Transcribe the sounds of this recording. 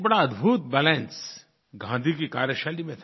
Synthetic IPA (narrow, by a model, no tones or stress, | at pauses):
bɐɽaɐd̪bʱuːt̪̚bɛːlɛ̃ns | ɡʱãːnd̪ʱikikaːɾjəʃaːlimẽt̪ʰː